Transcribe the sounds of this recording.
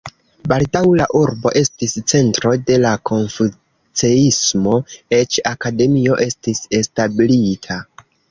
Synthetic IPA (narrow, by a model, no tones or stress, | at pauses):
baldawlaʔuɾbo̞ʔe̞stist͡se̞ntɾo̞de̞lakʰo̞nfu | t͡se̞ismo̞e̞t͡ʃakade̞mio̞ʔe̞stise̞stabilitʰa